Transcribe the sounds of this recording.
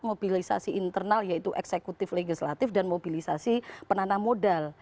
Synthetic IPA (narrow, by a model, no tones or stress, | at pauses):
mobilisa̰siint̪ərnaljait̪uʔɛksekut̪ɪfleɡisla̰t̪ɪfdanmobilisasipənanamodal